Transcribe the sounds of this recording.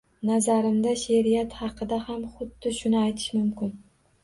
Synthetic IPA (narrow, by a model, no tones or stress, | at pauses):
nazaɾɪmd̪aʃeɾijat̪hɑqʰɨd̪ahamχʊd̪ːɪʃʊnɪajt̪ʰɪ̥ʃmʊmkʲɪn